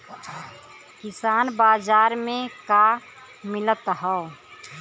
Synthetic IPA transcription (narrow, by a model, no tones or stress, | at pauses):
kɪsaːnbaːzaːɾmẽka | mɪlət̪ɦɛ